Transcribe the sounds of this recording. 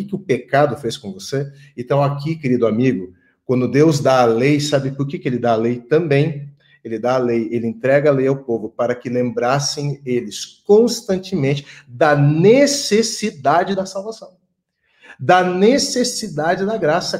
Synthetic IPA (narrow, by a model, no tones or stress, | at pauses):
ɪkɪʊpekad̪ʊfeskõvose | ẽnt̪ɐ̃w̃akikeɾid̪ʊamiɡʊ | kwɐ̃nd̪ʊd̪ewzd̪aːlejsabɪpʊɾkekɪelɪd̪aːlejt̪ɐ̃mbẽj̃ | elɪd̪aːlejelɪẽnt̪ɾɛɡɐlejawpovʊpaɾɐkɪlẽmbɾasẽj̃elɪskõst̪ɐ̃nt͡ʃɪmẽnt͡ʃɪ̥d̪ɐnesesid̪ad͡ʒɪd̪ɐsawvasɐ̃w̃ | d̪ɐnesesid̪ad͡ʒɪd̪ɐɡɾasɐ